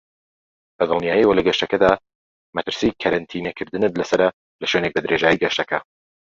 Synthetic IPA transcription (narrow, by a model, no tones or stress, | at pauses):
bɐd̪ɨlˠnijaːjiwɐlɐɡɐʃt̪ɐkɐd̪aː | mɐt̪ɨɾsijkʰɐɾɐnt̪ʰiːnekʰɨɾd̪ɨnɨt̪̚lɐsɐɾɐ | lɐʃwenek̚bɐd̪ɨɾeʒaːjiɡɐʃt̪ɐkʰɐ